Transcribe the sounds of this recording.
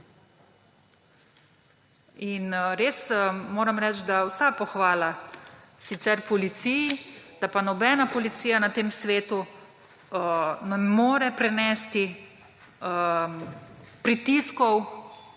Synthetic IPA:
inɾeːsmoːɾamɾɛːt͡ʃd̪awsapɔxʋaːla | sit̪sɛɾpɔlit̪sijid̪̥apanɔbɛːnapɔlit̪siːjanat̪eːmsʋeːt̪u | nɛmoːɾɛpɾɛnɛst̪i | pɾit̪iskɔw

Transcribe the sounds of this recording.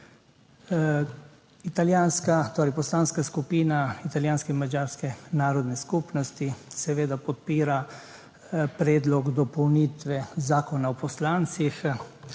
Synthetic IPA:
it̪aljaːnskat̪oːɾɛjpɔslaːnskaskupiːnait̪aljaːnskɛinmad͡ʒaːɾskɛnaːɾɔd̪nɛskupnɔst̪isɛʋeːd̪apɔt̪̚piːɾa | pɾɛːd̪lɔɡd̪ɔpɔwniːt̪ʋɛzaːkɔnaɔpɔslaːnt̪six

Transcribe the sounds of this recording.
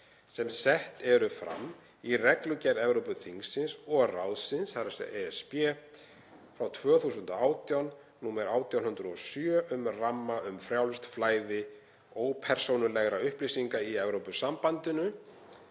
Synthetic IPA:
sɛmsɛht̪ɛɾʏfɾa̰mː | irɛklʏcɛɾɛvɾowpʏθiŋsːɪnsɔɣra̰wðsɪnsaɾasɛ̰eɛspɛ | fɾawt̪ʰvœːθusʏnt̪aaːwt̪ijawn | nuːmɛɾaːwt̪ʰjawnhʏnd̪ɾʏɔsjœœʔʏmramːaʏmfɾjawlst̪flaːjðɪ | oːwpʰɛɾ̥sownʏlɛɣɾaʏhplisiŋkaiɛvɾowpʏsampant̪ɪnʏ

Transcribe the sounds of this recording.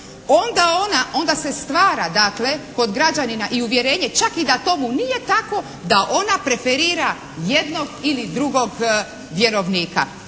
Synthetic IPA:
o̞nd̪ao̞naʔo̞nd̪ase̞st̪ʋaːɾad̪akle̞ko̞d̪ɡɾad͡ʑaninaʔiuʋje̞ɾe̞ːɲe̞t͡ʃakid̪at̪o̞munije̞t̪ako̞ | d̪aʔo̞napɾe̞feɾiːɾa | jed̪no̞ɡilid̪ɾuɡo̞ɡ | ʋje̞ɾo̞ʋniːka̰

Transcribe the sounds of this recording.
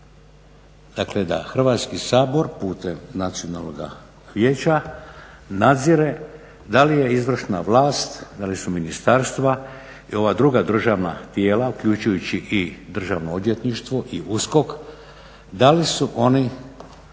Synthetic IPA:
d̪̥akle̞d̪a̰xr̩ʋaːt̪skisaːbo̞ɾpuːt̪emnat̪sio̞nalnoɡa̰ | ʋje̞ːt͡ɕa | nad̪ziɾe | d̪alije̞izʋr̩ʃnaʋlaːst̪d̪alisuminist̪aɾst̪ʋa | io̞ʋad̪ɾuɡad̪r̩ʒaʋna̰t̪je̞ːlaukʎut͡ʃujut͡ɕiʔid̪r̩ʒaʋnood̪je̞t̪niʃt̪ʋo̞ʔiusko̞k | d̪alisuʔo̞ni

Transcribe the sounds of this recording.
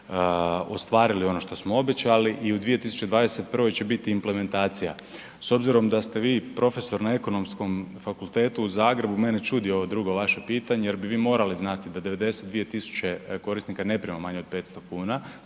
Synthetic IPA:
ost̪ʋaːɾilio̞no̞ʃt̪o̞smoo̞be̞t͡ɕaliʔiud̪ʋije̞t̪isu̥t͡ɕe̞d̪ʋaːd̪e̞se̞t̪̚pr̩ʋo̞jt͡ɕe̞bit̪iːmple̞me̞nt̪aːt̪sija̰ | so̞bziɾo̞md̪ast̪e̞ʋiːpɾo̞fe̞so̞ɾnae̞ko̞no̞msko̞mfakulˠt̪e̞ːt̪uːzaːɡɾe̞bume̞ne̞t͡ʃud̪io̞ʋod̪ɾuɡo̞ʋaʃepiːt̪aɲeje̞ɾbiʋiːmo̞ːɾaliznat̪id̪ad̪e̞ʋe̞d̪e̞set̪d̪ʋije̞t̪isu̥t͡ɕe̞ko̞ɾist̪nikane̞pɾiemomaɲeo̞d̪̚pe̞ːt̪st̪o̞kuːna

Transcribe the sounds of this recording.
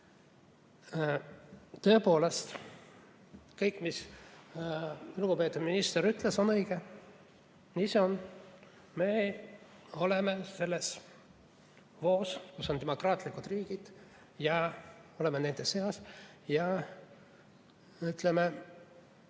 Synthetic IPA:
t̪ø̞ːpo̞ːle̞st̪ | kɤjkːˑmis | luɡ̥upe̞ːt̪ːuminist̪eɾyt̪ˑleso̞nɤjɡ̥e | niseon | me̞ | o̞le̞me̞se̞lːe̞s | vo̞ːskusːo̞nt̪emo̞krɑːt̪ˑlikud̪riːɡ̥id̪̥ | jɑo̞le̞mene̞nd̪̥ese̞ɑs | jɑ | yt̪ˑleme

